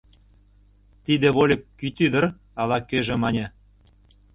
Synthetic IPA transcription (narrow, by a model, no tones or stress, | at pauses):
t̪id̪ĕβolʲekːyt̪yd̪ə̆r | ɑlɑkøʒĕmɑnʲe